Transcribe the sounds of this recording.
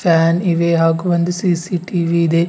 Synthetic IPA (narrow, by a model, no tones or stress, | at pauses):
faːniʋeːɦaːɡubɐnd̪usiːsiːʈiːʋiːd̪e